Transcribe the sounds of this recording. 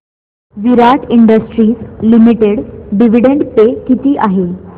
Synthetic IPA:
ʋiɾaʈʰiɳɖəsʈɾiːslimiʈeɽɖiʋ̤iɽeɳɖpekit̪iːʔaɦe

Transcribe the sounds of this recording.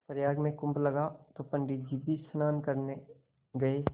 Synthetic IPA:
pəɾjaːɡmẽkʊ̃mplɐɡat̪opə̃ɳɖɪd͡ʒibisnaːnkəɾne | ɡɐeː

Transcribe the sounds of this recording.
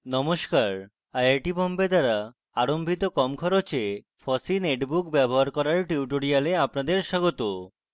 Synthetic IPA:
nɔmoʃkaɾ | ajaɾʈibɔmbed̪aɾa | aɾombʱit̪okɔmkʰɔɾot͡ɕʰe | fɔsineʈbukbɛboɦaɾkɔɾaɾʈiuʈoɾialeapnad̪eɾʃaɡot̪o

